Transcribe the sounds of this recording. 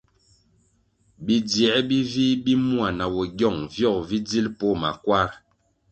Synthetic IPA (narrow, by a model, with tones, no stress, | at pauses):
bi˦djɛ˨˦bi˦vi˦bi˦mu˦a˨na˨wɔ˨ɡjɔ˦˨ŋvjɔ˦˨k̚vi˦d͡zi˦lpɔ˦ma̰˨kwa˦ɾ